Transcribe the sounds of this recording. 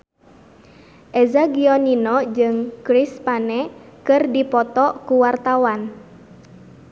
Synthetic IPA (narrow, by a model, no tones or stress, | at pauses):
ʔɛzaɡiɔninɔd͡ʒɨŋkɾispanɛkɨrdipɔt̪ɔkuwart̪awan